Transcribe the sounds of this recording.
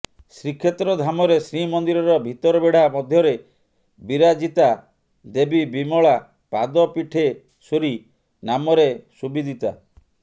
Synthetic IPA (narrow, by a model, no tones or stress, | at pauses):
sɾikʰːet̪ɾɔd̪ʱamɔɾesɾimɔnd̪iɾɔɾɔbʱit̪ɔɾɔbeɽ̤amɔd̪ʱjɔɾe | biɾad͡ʒit̪a | d̪ebibimɔɭa | pad̪ɔpiʈʰe | suɾi | namɔɾesubid̪ʱit̪a̰